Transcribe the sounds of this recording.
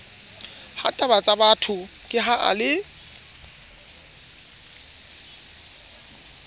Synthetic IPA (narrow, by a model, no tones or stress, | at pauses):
ha̰tʼabat͡sʼabatʰʊ | kʼɪɦaʔa̰lɪ